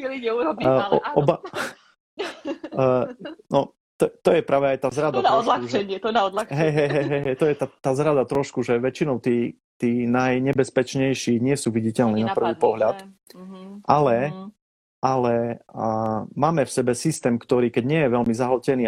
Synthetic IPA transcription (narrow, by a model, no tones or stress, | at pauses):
ɛliɲɛuɾɔbiɔɔba | nɔ | t̪ɔt̪ɔjɛpɾʔaːʋɛajt̪aːzɾad̪anaɔd̪lat͡ʃʒɛɲɪɛt̪ɔnaɔd̪laxɦɛjɦɛjɦɛjɦɛjɦɛjt̪ɔjɛt̪at̪aːzɾad̪at̪ɾɔʃkuʒɛʋɛt͡ʃinɔʊt̪iː | t̪iːnajɲɛbɛspɛt͡ʃɲɛjʃiɲɪɛsuːʋiɟicɛlniːnapr̩ʋiːpɔɦlʎat̪ | ʔalɛ | ʔalɛ | maːmɛfsɛbɛsist̪ɛːmkt̪ɔɾiːkɛɟɲɪɛjɛʋɛlmizaɦl̩cɛniː